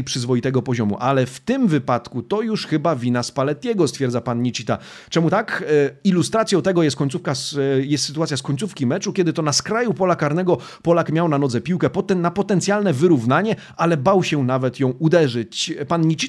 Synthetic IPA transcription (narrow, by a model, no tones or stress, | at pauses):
jpʂɘzvɔjit̪ɛɡɔpɔʑɔmṵʔalɛft̪ɪmvɘpat̪kut̪ɔjuʂxɘbavʲinaspalɛt̪ɲɛɡɔst̪fʲjɛɾd̪zapanɲit͡ɕit̪a | t͡ʂɛmut̪akilust̪ɾat̪sʲjɔ̃w̃t̪ɛɡɔjɛst̪̚kɔɲt̪sufkasjɛst̪sɘt̪uat̪sʲjaskɔɲʲt̪sufkʲimɛt͡ʂukʲɛd̪ɘt̪ɔnaskɾajupɔlakaɾnɛɡɔ | pɔlakmʲjawnanɔd̪zɛpʲiwkɛpɔt̪napɔt̪ɛnt̪sʲjalnɛvɘɾuvnaɲɛ | ʔalɛbawɕɛnavɛt̪jɔ̃w̃ud̪ɛʐɘt͡ɕpanɲit͡ɕi